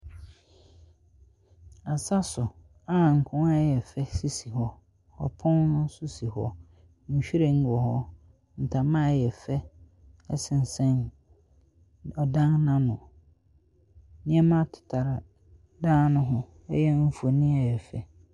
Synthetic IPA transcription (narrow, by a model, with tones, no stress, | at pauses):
a˨sa˦sʊ˨ | a˦˨ŋ̩˨kʰʊ̃˦a˦jɛ˨fɛ˦si˦si˨ɦɔ˦ | hɔ̰˨pʰɔ̃˦nnʊ̃˦sʊ˦si˨hɔ̰˦ | ɲ̩˨ɕᶣi˦ɾe˨ŋ̩˦˨ɔ˨hɔ˦ | n̩˨tʰa˨mã˦˨jɛ˨fɛ˦ | ɛ˦sɪ̃˨n̩˨sɛ̃˦n | ɔ˨dã˦ŋnã˦nʊ̃˨ | nɪ̃˦ɛ˦mã˦tʰɪ̥˨tʰa˨ɾa˨ | daː˦nʊ̃˦ɦɔ̃˦ | ɛ̰˦jɛ˦m̩˦fu˨o˨nɪ̃˦ɛ˨jɛ˨fɛ̰˦